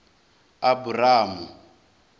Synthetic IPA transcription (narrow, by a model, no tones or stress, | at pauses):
aburaːmu